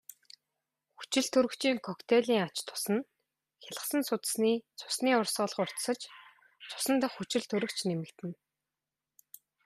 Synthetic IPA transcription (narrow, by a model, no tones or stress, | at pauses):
xu̥t͡ɕɪ̆ɮt̪ʰɵɾɵ̆kt͡ɕiːŋkʰɔkt̪ʰeɮʲiːŋat͡ɕt̪ʰʊ̥sə̆n | xʲaɮə̆sə̆nsʊt̪̆sniːt͡sʰʊ̥sniːʊrsɔːɮə̆χʊr̥t̪sə̆t͡ɕ | t͡sʰʊ̥sə̆nt̪ə̆χːut͡ɕɪ̆ɮt̪ʰɵɾɵ̆kt͡ɕnemɘ̆kt̪ɘ̆n